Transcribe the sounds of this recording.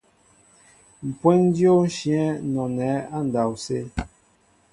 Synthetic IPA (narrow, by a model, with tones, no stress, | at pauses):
m̩˨pwɛ˦n˦djo˦n̩˦ʃjɛ˦nɔ˨nɛ˨˦a˦n̩˨da˨wse˦